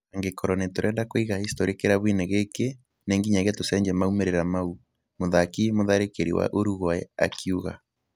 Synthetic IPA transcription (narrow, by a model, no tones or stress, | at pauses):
aŋɡekɔɾɔnɛtoɾʔɛːndakoiɣahistɔɾikeɾaβineɣeke | neŋɡiɲaɣetosɛɲd͡ʒɛmaumeɾeɾamau | moðakimoðaɾekeɾḭwa̰ʔoɾuɣwaɛa̰kʰiuɣa̰